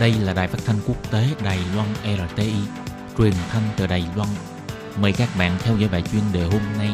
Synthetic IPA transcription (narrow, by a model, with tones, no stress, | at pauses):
ɗə˧jlaː˨˩ɗa̰˧˨jfaː˦˥t̪ʰa˧ŋ̟ku˦˥ək̚t̪e˨˦ɗaː˨˩jlwa˧nʔɛ˧ɾaː˧˩t̪e˧ʔi˧ | t͡ɕwi˨˩ənt̪ʰa˧jŋt̪ɨ̰ː˧˩ɗaː˨˩jlwa˧n | məː˨˩jkaː˦˥k̚ɓa̰ː˧˨nt̪ʰɛ˧wzɔ̰˧˥˦jɓa̰ː˧˨jt͡ɕwi˧ənɗe˨˩ɦo˧mna˧j